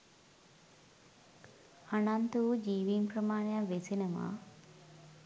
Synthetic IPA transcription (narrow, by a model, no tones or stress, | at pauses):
ɐnant̪ud͡ʒiːʋiːmpɾɐmaːɳjaʋesenɐma̰